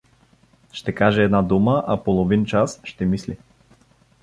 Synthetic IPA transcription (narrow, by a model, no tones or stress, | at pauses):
ʃt̪ɛkaʒɛɛd̪nad̪uməʔapolˠovint͡ʃasʃt̪ɛmisli